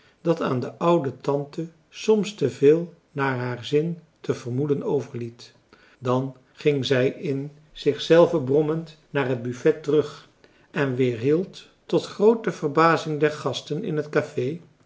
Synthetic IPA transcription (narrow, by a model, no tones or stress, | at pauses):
d̥ɑta̰ːndəʔʌwdətɑntə | sɔmstəvɪːlˠ | naːɹɦaːɹzɪntəvəɹmudənowvəɹlit | dɑn | χɪŋzɛjɪn | z̥ɪχsɛlˠvəbrɔmənt | naːɹɦəd̚byfɛtːərɵχ | ʔɛnʋɪːɹɦilˠtː | ɔtχrowtəvərbaːzɪŋdɛɹχɑstənɪ̰nɦətkafej